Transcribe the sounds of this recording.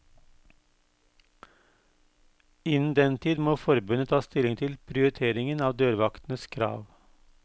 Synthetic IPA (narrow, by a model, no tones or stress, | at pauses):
ɪnn̩d̪ɛnt̪ʰiːd̪moːfɔɾbʉnət̪ʰɑːst̪ɪlɪŋt̪ʰɪlpʰɾɪʊɾɪt̪ʰeːɾɪŋənɑːʋd̪øːɾʋɑkt̪n̩əskʰɾɑ̰ːʋ